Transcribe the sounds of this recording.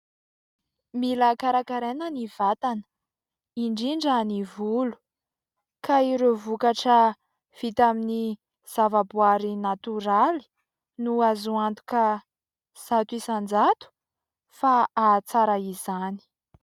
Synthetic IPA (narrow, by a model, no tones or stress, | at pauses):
milakaɾakaɾenəniv̥at̪anə̥ | iɳɖ͡ʐiɳɖ͡ʐanivulu̥ | kaiɾevukaʈ͡ʂə | v̥it̪amini | z̥avabuaɾinat̪uɾali̥ | nuazuant̪u̥ka | z̥at̪uisand͡zat̪u̥ | faat͡saɾaizani̥